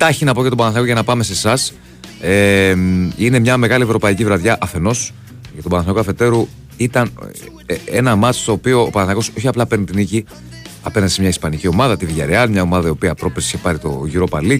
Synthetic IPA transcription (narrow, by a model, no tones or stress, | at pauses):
t̪ɐçinɐpo̞ceobɐnɐθnɐkoʝɐnɐpɐme̞se̞sɐs | e | ine̞mɲɐme̞ɣɐlie̞vɾo̞pɐicivɾɐðʝɐʔɐfe̞no̞s | ʝɐt̪obɐnɐθɐkoɐfe̞t̪e̞ɾu | it̪ɐn | enɐmɐt̪i̥st̪o̞ːpio̞ːpɐnɐθɐko̞so̞çiɐplɐpe̞ɾnit̪inici | ɐpe̞nɐnd̪isemɲɐispɐnicio̞mɐðɐt̪iviʝɐɾeɐnmɲɐo̞mɐðɐio̞piɐpɾo̞pɾesi̥çepɐɾit̪o̞̰ʝiɾo̞pɐli